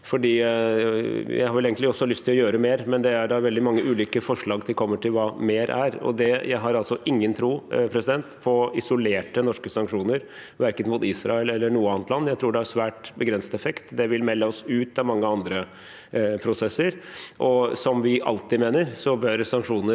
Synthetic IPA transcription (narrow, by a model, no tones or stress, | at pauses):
fɔɖiː | jæ̰ɪhɑɾʋɛleːɡənt̪ɪɔsːɔlʏst̪ʰɪlɔjøːɾəmeːɾmɛnd̪ɛæɖɑʋɛld̪ɪmɑŋːəʔʉːlʏkəfɔʂɭɑːɡt̪ʰɪlkʰɔmːəʈʰɪlʋɑːmeːɾʔæɾɔ̰d̪ɛjʔæɪɦɑɾɑlsɔʔɪŋːənt̪ʰɾuːpʰɾɛsɪd̪ɛnt̪pʰɔɪsɔleːʈənɔʂkəsɑŋkʂuːnəɾ | ʋæɾkət̪mʊt̪iːsɾɑ̰ɛlɛlːəɳuːəɑːnət̪lɑnːjæɪt̪ʰɾuːɖɛæɾsʋæːʈbəɡɾɛnsət̪ɛfɛkt̪d̪ɛʋɪlmɛlːəɔsʉːt̪ɑmɑŋːəɑnd̪ɾə | pʰɾʊsɛsːəɾʔɔsɔmʋɪʔɑ̰lt̪ɪd̪meːnəɾsɔbœɾsɑŋkʂuːnə